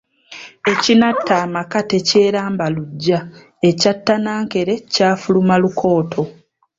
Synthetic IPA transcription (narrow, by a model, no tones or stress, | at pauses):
e̞cinatːaːmakate̞ce̞ːɾaːmbaluɟːa | e̞catːanaːŋke̞ɾecaːfulumalukʰo̞ːtʰo̞